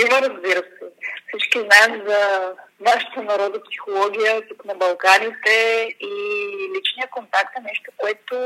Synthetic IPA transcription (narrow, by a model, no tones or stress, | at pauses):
ivɐɾɐzbiɾəsɛfsit͡ʃkiznaɛmzɐnaʃə̥t̪ənɐɾɔd̪opsi̥xolˠɔɡʲijət̪uknɐbɐlˠkanit̪ɛilit͡ʃnijəkont̪akt̪ɐnɛʃt̪okoɛt̪o